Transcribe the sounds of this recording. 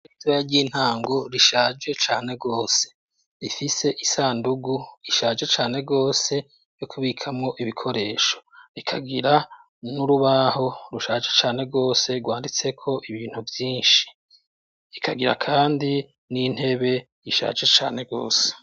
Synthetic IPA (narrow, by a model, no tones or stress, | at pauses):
itɾajeɾɟiːn̥haːŋɡo̞ɾiʃaːd͡ʒe̞t͡ʃaːne̞ɡo̞ːse̥ | ɾifise̞ʔisaːnduɡuiʃaːd͡ʒe̞t͡ʃaːne̞ɡo̞ːse̞ | jokʰuβiːkʰamŋo̞ʔiβikʰo̞ɾe̞ːʃo̞̥ɾikʰaɡiɾa | nuɾuβaɦo̞ɾuʃaːd͡ʒe̞t͡ʃaːne̞ɡo̞ːse̞ɡwaːndit͡se̞kʰo̞ʔiβiːn̥huvjiːnʃi̥ | ɾikʰaɡiɾa̰kʰaːndi | nin̥he̞βe̞ | jiʃa̰ːd͡ʒe̞t͡ʃa̰ːne̞ɡo̞̰ːse̥